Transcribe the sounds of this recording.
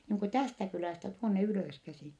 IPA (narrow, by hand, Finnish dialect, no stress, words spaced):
niːŋ ku tæstæ kylæˑstæ tuonːe yløˑskæsiˑn̞